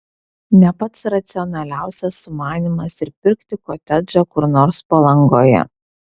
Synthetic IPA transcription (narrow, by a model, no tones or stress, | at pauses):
nʲɛpɐt̪sɾɐt̪sʲɪɔnɐlʲæˑʊsʲɛsːʊmɑːnʲimɐsɪɾpʲɪɾʲkt̪ʲɪkoːt̪ʲɛd̪ɾɐkʊɾnoːɾspɐlˠɐŋɡoːjɛ̰